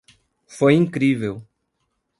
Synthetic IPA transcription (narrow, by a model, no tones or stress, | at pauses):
fojĩŋkɾivew